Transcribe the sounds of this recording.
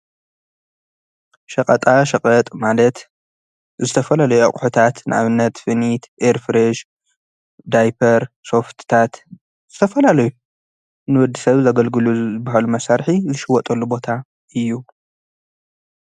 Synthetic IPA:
ʃɐkʼɐt̪ʼaʃɐkʼɐt̪ʼmalɐt̪ | zɨt̪ʰɐfɐlalɐjuʔa̰χʼħut̪ʰat̪nɨʕa̰βɨnːɐt̪fɨnit̪ʔeɾfɾeʃ | d̪ajpʰɐɾso̞ft̪ʰt̪ʰat̪ | z̥ɨt̪ʰɐfɐlalɐju | nɨwɔd̪ːisɐβzɐɡɐlɡɨluɨbːaɦalumɐsaɾħizɨʃɪwɔt̪ʼɐlːubo̞t̪ʰa | ʔɨjːu

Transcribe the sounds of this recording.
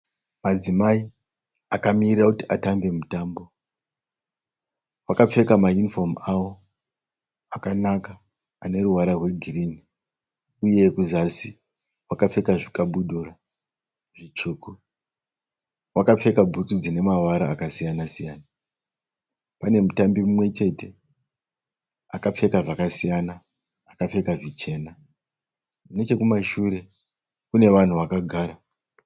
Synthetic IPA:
mad͡zimai | akamirirakutiʔatambe̞mutaːmbo̞ | wakap͡fe̞kamajunifo̞mawo̞ | akanakaː | ne̞ɾuwaɾarwe̞ɡʱirini | uje̞kuzasi | wakap͡fe̞kaʐikaɓuɗura | ʐit͡ʂuːku | wakap͡fe̞kabʱutud͡zine̞mawaɾaːkasijanasijaːna | pane̞mutambimumwe̞t͡ʃe̞te̞ | akap͡fe̞kaʐakasijanaː | kap͡fe̞kaʐit͡ʃe̞ːna | munet͡ʃe̞kumaʃuɾe̞ | kune̞ʋan̤uʋakaɡʱaːɾa

